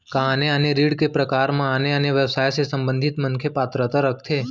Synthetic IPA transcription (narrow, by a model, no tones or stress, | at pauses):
kaneəneɾiːɽkepɾəkaːɾmãaneəneʋjəʋsaːjsesə̃mbə̃nd̪ʱɪt̪mənkʰepaːt̪ɾət̪aɾək̚ʰt̪ʰeː